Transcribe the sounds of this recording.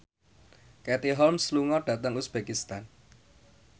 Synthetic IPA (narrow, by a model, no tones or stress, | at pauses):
kɛt̪iɦɔlmsluŋɔɖ̥ä̤t̪əŋusb̥ekist̪an